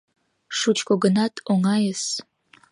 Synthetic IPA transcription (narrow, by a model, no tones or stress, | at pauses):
ʂut͡ʃʰkʷʰʼoɡənatʰʼoŋajəs